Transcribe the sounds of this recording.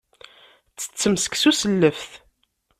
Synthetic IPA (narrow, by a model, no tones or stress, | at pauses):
t͡sːə̥t͡sːəmsə̥ksusəlːəfθ